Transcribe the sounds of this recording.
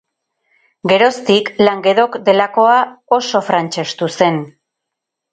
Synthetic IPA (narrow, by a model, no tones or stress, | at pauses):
ɡe̞ɾo̞st̪iklaŋɡe̞ðo̞kd̪e̞lako̞ao̞so̞fɾant͡ʃest̪use̞n